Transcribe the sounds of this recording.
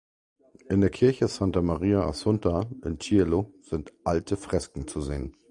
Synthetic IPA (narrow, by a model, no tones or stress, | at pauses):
ʔɪndeːɐkʰɪɐçəz̥antamaʁiːaʔa̰sʊntaʔɪ̰ntʰieloz̥ɪntʔaltʰəfʁ̥ɛskŋ̩t͡suzḛːən